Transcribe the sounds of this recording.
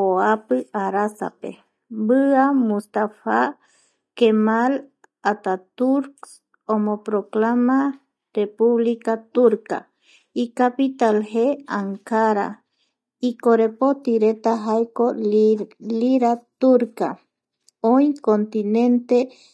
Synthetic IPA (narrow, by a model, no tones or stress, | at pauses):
oapɨaɾasa̰pḛ | bɨamust̪afa | kemal | at̪at̪uɾks | omõpɾoklama | repuβlikat̪uɾka̰ | ikapit̪alheaŋkaɾa̰ | ikoɾepot̪iɾet̪aɦajko | liɾat̪uɾka̰ | oĩkont̪inẽnt̪e